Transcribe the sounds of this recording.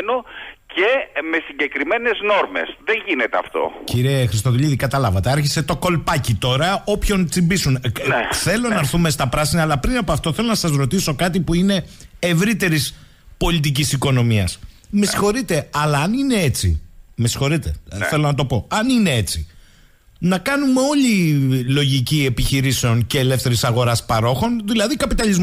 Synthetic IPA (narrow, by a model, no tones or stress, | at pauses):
noceme̞siɲɟe̞kɾime̞ne̞zno̞ɾme̞̰sðeʝinet̪eɐ̰ft̪o̞̰ciɾie̞xɾist̪oðuʎiðikɐt̪ɐlɐvɐt̪e̞ɐɾçise̞t̪o̞ko̞lpɐcit̪o̞ɾɐo̞pço̞nt͡simbisunθe̞lonnɐɾθume̞st̪ɐpɾɐsinɐːlɐpɾinɐpoɐft̪o̞θe̞lo̞nɐsɐzɾo̞t̪iso̞kɐt̪ipuine̞evɾit̪e̞ɾis | po̞lit̪̬ic̬isiko̞no̞miɐ̰smesi̥xo̞ɾit̪e̞ɐlɐːnine̞e̞t͡sḭmesi̥xo̞ɾit̪e̞̰θe̞lo̞nɐt̪̬o̞po̞ɐnine̞e̞t͡si | nɐkɐnume̞o̞lilo̞ʝicie̞piçiɾise̞o̞nceːle̞fθe̞ɾisɐɣo̞ɾɐspɐɾo̞xo̞nðilɐðikɐpit̪ɐlizm